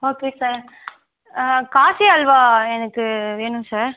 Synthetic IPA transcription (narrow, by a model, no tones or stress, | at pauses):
oːkeːsaːɾ | kaːsiɐlʋaːɛnɐkːɯʋeːnʊ̃msaːɾ